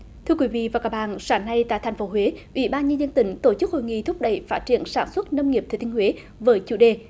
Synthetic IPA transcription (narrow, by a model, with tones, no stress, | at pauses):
t̪ʰɨ˧əkwi˨˦vḭ˧˨vaː˨˩kaː˦˥k̚ɓa̰ː˧˨nsaː˨˩ŋna˧jt̪a̰ː˧˨jt̪ʰŋ̟fo˨˦ɦwe˨˦ʔwi˧˦ɓaː˧nɲə˧nzə˧nt̪ï˨˩˦ŋ̟t̪o˧˩t͡ɕɨ˦˥k̚ho̰˧˨jŋḭ˧˨t̪ʰʊ˦˥p̚ɗə˧˩jfaː˦˥t̚t͡ɕi˧˩˨ənsaː˧˩nswə˦˥t̚nə˧wŋ͡mŋi˨˩əp̚t̪ʰːt̪i˧ŋhwe˨˦ | vəː˨˦jt͡ɕu˧˩ɗe˨˩